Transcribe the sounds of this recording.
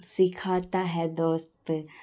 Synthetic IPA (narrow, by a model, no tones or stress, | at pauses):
sɪkʰaːt̪aɦɛd̪oːst̪